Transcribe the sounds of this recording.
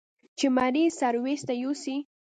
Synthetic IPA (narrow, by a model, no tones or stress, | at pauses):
t͡ʃemaɾisaɾwest̪ajusi